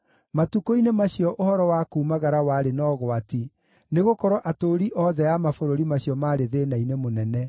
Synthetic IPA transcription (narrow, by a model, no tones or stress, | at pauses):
matukoinemaɕiɔʔohɔɾɔwakuːmaɣaɾawaɾenɔːɣwati | neɣokɔɾɔʔatoɾiʔɔðɛjamafoɾoɾimaɕiɔmaːɾeðeːnainemonɛnɛ